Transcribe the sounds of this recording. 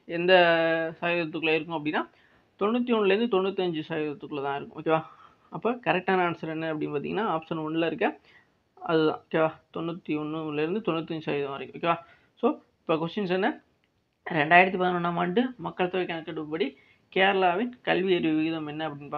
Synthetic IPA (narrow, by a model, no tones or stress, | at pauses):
ɛnd̪ɐsaːjɪðɾɐt̪̬ːɯkːlɐɪɾɯkːʊ̃ɐpːɐɽɪnːaː | t̪ɔɳːut̪̬ːiɔɳːɯlɛɾɯnd̪ɯt̪ɔnːut̪ːiɐɲd͡ʒɯsaːjɪðɐt̪ːɯkːɯlɐt̪ãːɪɾɯkːʊ̃o̰ːkːeʋaː | ɐpːɐːkɐɾɛk̚ʈːaːnɐːɳɐsɐlɛnːɐɐpːɐɽɪnpaːɾt̪iŋɐnːaːaːpsɐnɔɳlɐɪɾɯkːɐ | ɐðɯðã̰ːoːkːeːʋaːt̪ɔnːut̪ːiɔnːɯlɪɾɯnd̪ɯt̪ɔnːut̪ːɐɲd͡ʒɯsa̰ːjɪðɐ̃mɐɾɪkːʊ̃oːkːeːʋaː | soː | ɪpːok̬ʋɔst͡ʃɐnsɔnːɐ | ɾɛɳɖaːɪɽɐt̪̬ːɯpaːt̪nɐ̃nːaːmɐɳɖɯmɐkːɐɭt̪ːɐʋɐkːɐnɐkːɐɽɯpɐɽi | keːɾɐlaːʋɪnkɐlʋiɐɾʋiʋɪɣɪðɐmɛnːɐɐpːɐɽɪnːpaːɾ